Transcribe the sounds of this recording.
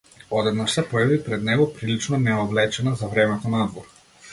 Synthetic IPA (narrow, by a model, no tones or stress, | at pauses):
ɔd̪ɛd̪naʃsɛpɔjavipɾɛd̪nɛɡɔpɾilit͡ʃnɔnɛɔvlɛt͡ʃɛnazavɾɛmɛt̪ɔnad̪vɔɾ